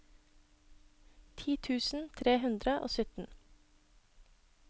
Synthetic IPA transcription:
t̪ʰiːt̪ʰʉːsn̩t̪ʰɾeːhʉnd̪ɾəʔo̰ːsʏt̪n̩

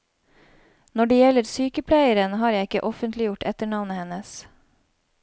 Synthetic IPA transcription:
nɔɖeːjɛləɾsyːkəpʰlæɪəɾənhɑːɾjæɪɪkəʔɔfənt̪lɪjʊʈɛt̪əɳɑʋnəhɛnəs

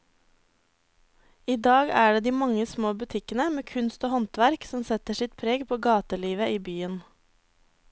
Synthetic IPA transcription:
iːd̪ɑːɡæːɖeːd̪iːmɑŋəsmoːbʉt̪ʰɪkənəmeːkʰʉnst̪oːhɔnt̪ʋæɾksɔmsɛt̪əʃɪt̪pʰɾeːɡpʰoːɡɑːt̪əliːʋəʔiːbyːən

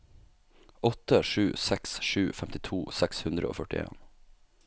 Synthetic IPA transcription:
ɔt̪əʂʉːsɛksʃʉːfɛmt̪ɪt̪ʰuːsɛkshʉnd̪ɾəo̰ːfœʈɪ̰ḛːn

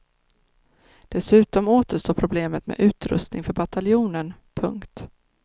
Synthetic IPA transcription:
d̪̥ɛsʉ̟ːt̪ɔmoːt̪əʂʈoːpʰɾʊbleːmət̪mḛːʔʉ̟ːt̪ɾɵ̰st̪nɪŋfœɾbat̪ʰaljuːnən | pʰɵ̰ŋkt̪

